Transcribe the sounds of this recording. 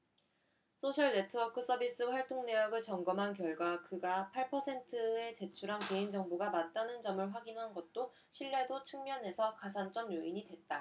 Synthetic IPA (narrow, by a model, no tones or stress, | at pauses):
s͈ʰoɕʰʌɭne̞tʰɯʌkʰɯs͈ʰʌbis͈ɯɸwaɭt͈oŋne̞jʌɡɯɭt͡ɕʌŋɡʌmɦankjʌɭɡwakɯɡapʰaɭpʰʌsʰe̞ntʰɯe̞t͡ɕe̞t͡ɕʰuɾɦanke̞ind͡ʑʌŋboɡamant͈anɯnd͡ʑʌmɯɭɸwaɡinɦanɡʌt̚t͈o | ɕʰiɭːe̞dot͡ɕʰɯŋmjʌnɦe̞sʰʌkas̬ʰant͡ɕ͈ʌmjoiɲidwe̞t̚t͈a